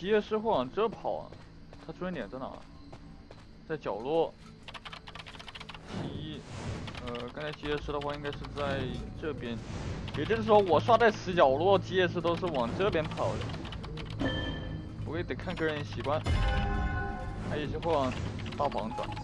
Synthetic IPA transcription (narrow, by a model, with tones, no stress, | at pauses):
t͡ɕi˧˥jɛ˥˧ʂɻ̩˥˧xwe˥˩ɪwɑ˨˩ŋʈ͡ʂɤ˥pʰɑ̰˨˩˦ʊ̰ | t̪ʰa˥u˥nt̪jɛ˨˩t͡sə˧˥nɑ̰˨˩ | t͡sa˥˩ɪt͡ɕjɑ˨˩ʊlwɔ˥˩ | t͡ɕi˧˥i˥˩ə˧kə˥nt͡sʰa˥t͡ɕi˧˥jɛ˥˩ʂɻ̩˥d̪ə˧xwa˥˩i˥ŋka˥ʂɻ̩˥˧t͡sa˥˧ɪʈ͡ʂɤ˥˩pjɛ˧˥njɛ˨˩t͡ɕjo˥ʂɻ̩˥˩ʂwɔ˥wɔ˨˩ʂwa˥˧t͡sa˥˩ɪʂɻ̩˧˥t͡ɕjɑ˨˩ʊlwɔ˥˩t͡ɕi˧˥jɛ˥˧ʂ̬ɻ̩˥˧t̪o˥ʊʂ̬ɻ̩˥˩wɑ˨˩ŋʈ͡ʂɤ˥pjɛ˥npʰɑ˨˩ʊd̪ə̰˦ | pu˧˥˧ɪt̪ə˨˩ŋkʰa˥˧nkɤ˥˩ɻə˧˥nɕi˨˩kwa˥n | t̪ʰjɛ˨˩t͡ɕjo˥˧xwe˥˩ɪwɑ˨˩ŋ | t̪ɑ˥˩ʊpʰɑ˧˥ŋt͡sə̰˨˩˦